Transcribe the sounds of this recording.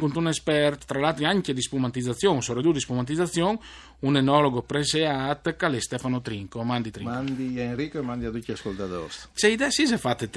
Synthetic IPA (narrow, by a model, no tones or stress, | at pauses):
kunt̪unespɛɾt̪t̪ːɾalalt̪ɾiaŋked̪ispumat̪id̪zat̪sjoŋsoɾed̪uːd̪ispumant̪̬iat̪sjoŋ | unenɔloɡopɾeseat̪kalest̪ɛfanot̪ɾiŋkomand̪it̪ɾimand̪ienɾikoemãnd̪iad̪ukiaskolt̪at̪o̰st͡ʃeid̪ɛsis̬ɛfat̪ːet̪